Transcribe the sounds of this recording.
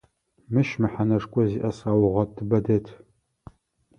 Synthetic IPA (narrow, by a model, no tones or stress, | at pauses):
mɨʃmɨħanɐʂkʷʼɔziʔɐsaːwʁɐtʰɨbɐdɐtʰ